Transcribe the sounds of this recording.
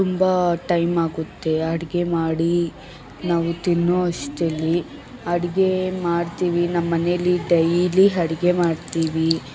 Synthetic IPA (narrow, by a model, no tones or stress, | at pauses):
t̪umbɐʈɐjmaːɡut̪ːe̞ɐɽiɡe̞maːɽi | naːʋut̪inːoɐʂʈelːi | ɐɽiɡe̞maːɽt̪iːʋinɐmːɐneɐlːiɖɐjliɦɐɽiɡe̞maːɽt̪iːʋi